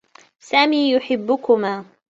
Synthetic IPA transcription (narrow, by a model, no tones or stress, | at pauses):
saːmiːjʊħɪbːʊkʊmaː